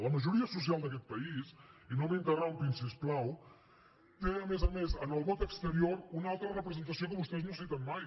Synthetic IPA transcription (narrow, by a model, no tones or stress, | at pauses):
ləməʒuɾiəsus̬ialˠd̪əkɛt̪̚pəisinoβeŋk̪əraumpinsisplaw | t̪eəmezəmezənəlˠβot̪əkst̪əɾioɾunalˠt̪ɾərəpɾəzənt̪əsiokəβust̪ɛznosit̪ənmaj